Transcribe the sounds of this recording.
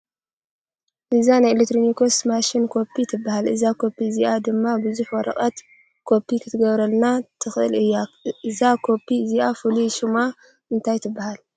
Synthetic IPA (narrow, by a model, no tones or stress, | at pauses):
ʔɨzanajlekt̪ɾonikʰo̞smaʃinkʰo̞pʰːit̪ʰɨbːahalʔɨzakʰo̞pːiziʔad̪ɨmːabɨzuħwɔɾɐ̰χʼɐt̪ | kʰo̞pʰːikʰɨt̪ʰɨɡɐβɾɐlnat̪ʰɨxɨʔɨ̰lɨjːaɨzakʰo̞pʰːiziʔafɨluʃuma | ɨnt̪ʰajt̪ʰɨbːahal